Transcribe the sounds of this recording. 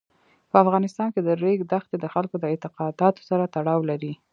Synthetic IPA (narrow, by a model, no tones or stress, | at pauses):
pəafɣɑnɪst̪ɑnked̪əɾeɡd̪axt̪ed̪əxalkod̪əɪt̪ɪqɑd̪ɑt̪o̥saɾat̪aɽɑwlaɾi